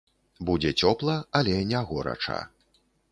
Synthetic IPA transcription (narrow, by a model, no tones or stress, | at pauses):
bud͡zʲɛt͡sʲɔplˠɐɐlʲɛnʲɛɣɔɾɐ̰t͡ʂɐ̰